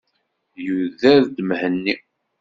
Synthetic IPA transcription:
juðæðd̪mhənːi

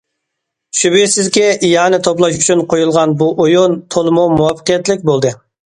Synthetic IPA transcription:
ʃybisɪzkʲɛjɑːnɪt̪ʰoplˠɑʃyt͡ʃʰynqʰojulˠʁɑnbuʔojunt̪ʰolˠɨmumuwɑfə̥qijɛt̪lɪk̚ʲbolˠd̪ɨ

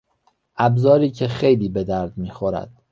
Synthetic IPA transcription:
ʔæbzɒːɾiːcʰe̞xe̞jliːbe̞d̪æɾd̪miːxoɾæ̰d̪̥

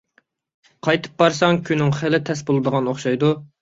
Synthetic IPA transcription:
qʰɑjt̪ʰɨ̥p̚bɑɾsɑŋkʲʰynːɪŋχɪlɪt̪ʰɛsbolˠɨd̪əʁɑnoχʃɑjd̪u

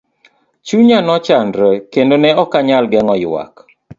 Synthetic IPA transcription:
t͡ʃuɲanɔt͡ʃandɾəkendonɛɔkaɲalɡɛŋɔjwa̰k

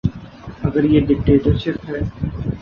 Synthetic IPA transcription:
ɐɡəɾjeːɖɪk̚ʈeːʈəɾʃɪpɦɛː

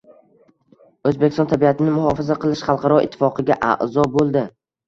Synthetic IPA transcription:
ɵzbekʲɪst̪ɒnt̪ʰabijat̪ʰɪnɪmʊhɒfɪzaqʰɨlɪʃχɑlˠqʰɑɾɒɪ̰t̪ʰːɪ̥fɒqʰɨɡʲaʔa̰ʔzɒbolˠd̪ɪ

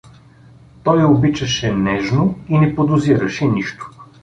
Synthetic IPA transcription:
t̪ɔjobit͡ʃɐʃɛnɛʒnoinɛpod̪ʊziɾɐʃɛniʃt̪ʊ̥

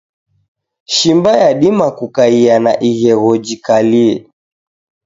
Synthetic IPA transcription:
ʃimbajaɗimakukaianaʔiɣɛɣɔd͡ʒikaliɛ̰

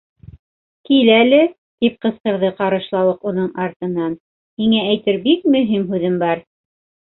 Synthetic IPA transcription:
kilælɘ | t̪ip̚qɤ̆sqɤ̆ɾðɤqɑɾɤ̆ʃlˠɑw̪ˠɤqunɤɴɑɾt̪ɤ̆nːɑn | hiŋææjt̪ɘɾbik̚mɵ̆ɦimɦʉðɘmbɑɾ

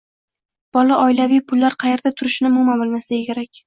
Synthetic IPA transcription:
b̥ɒlaʔɒjlavijpʰʊlːaɾqʰɑje̞ɾd̪at̪ʰʊɾɪʃnɪʊmʊmanbolˠmast̪akʲeɾakʲ

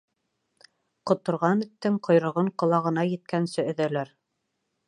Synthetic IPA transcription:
qŏt̪ŏɾʁɑnɘ̆t̪ːɘŋqʰŏjɾɤ̆ʁɤɴqŏlˠɑʁɤ̆nɑjɘ̆t̪̚kænsɘɵ̆ðælæɾ

